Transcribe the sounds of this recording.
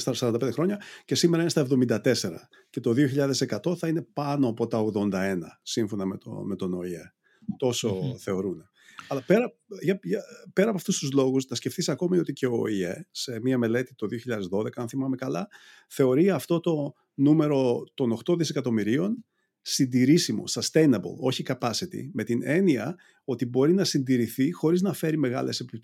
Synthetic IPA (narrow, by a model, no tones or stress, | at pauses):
sɐsɐɾɐnd̪ɐped̪exɾo̞ɲɐce̞simeɾɐinest̪ɐevðo̞mind̪ɐt̪e̞se̞ɾɐ̰ | ce̞t̪o̞ðio̞çiʎɐðe̞se̞kɐt̪o̞θɐine̞pɐno̞ɐpo̞t̪ɐoɣðo̞nd̪ɐe̞nɐsiɱfo̞nɐmet̪o̰me̞t̪o̞no̞ie | t̪o̞so̞θe̞o̞ɾune | ɐlɐpe̞ɾɐ | ʝɐʝɐpe̞ɾɐpoɐft̪ust̪uzlo̞ɣusnɐscefθisɐko̞mio̞t̪iceo̰iese̞miɐme̞le̞t̪it̪o̞ðio̞çiʎɐðe̞zðo̞ðe̞kɐɐnθimɐmekɐlɐ | θe̞o̞ɾiɐft̪o̞t̪o̞ | nume̞ɾo̞t̪o̞no̞xt̪o̞ðise̞kɐt̪o̞miɾio̞n | sind̪iɾisimo̞̰st̪ɐst̪ejnɐbo̰lo̞çikɐpɐsit̪ḭme̞t̪ine̞niɐ | o̞t̪ibo̞ɾinɐsind̪iɾiθixo̞ɾiznɐfe̞ɾime̞ɣɐ̰le̞se̞pip̪